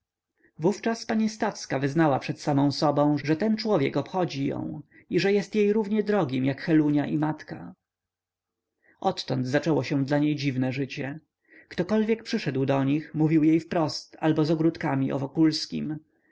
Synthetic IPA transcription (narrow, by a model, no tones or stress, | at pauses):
vuft͡ʂaspaɲist̪afskavɘznawapʂɛt̪samɔ̃w̃sɔbɔ̃w̃ʐɛt̪ɛnt͡ʂwɔvʲjɛ̰kɔpxɔd͡ʑijɔ̰̃w̃ | iʐɛjɛst̪jejɾuvɲɛd̪ɾɔɡʲimjakxɛluɲaʔimat̪ka | ʔɔt̪ːɔnd̪zat͡ʂɛwɔɕɛd̪laɲejd͡ʑivnɛʐɘt͡ɕɛ | kt̪ɔkɔlvʲjɛk̚pʂɘʂɛd̪wd̪ɔɲixmuvʲiwjejfpɾɔst̪a̰lbɔzɔɡɾut̪kamʲiʔɔ̰vɔkulskʲḭm